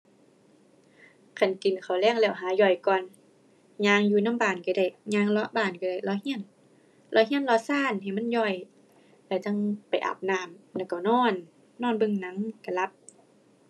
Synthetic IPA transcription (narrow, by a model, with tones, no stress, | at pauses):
kʰa˧˨nki˨nkʰa˨˩wlɛː˧˥˨ŋlɛː˧˩˨wɦaː˨˦jɔ˧˩jkɔː˧˨n | ɲaː˧ŋjuː˧˨na˧˥˨mbaː˨˩nka˧˩da˧˩jɲaː˧ŋlɔ˧˥ʔbaː˧˨˩nka˧˩da˧˩˨jlɔ˧˥hi˧˥ə˨n | lɔ˧˦ɦi˧˥˨nlɔ˧˥saː˧˥˨nɦa˨˩jma˧˥˨njɔ˧˩j | la˧˩t͡ɕa˧˥˨ŋpa˨jʔa̰˨˧˩p̚naː˧˩mnla˧˩wka˨˩wnɔː˧˥˨nː | ɔː˧˩˨nbɯ˧˨ŋna˨˦ŋka˧˩la˧˦p̚